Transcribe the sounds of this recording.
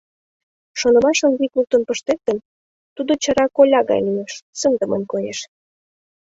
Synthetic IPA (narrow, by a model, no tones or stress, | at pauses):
ʃonə̆mɑʃə̆nvikluk̚t̪onpəʃt̪ek̚t̪ən | t̪ud̪ot͡ɕə̆ɾɑkolʲɑɣɑ̰jlieʃsənd̪əmənkojeʃ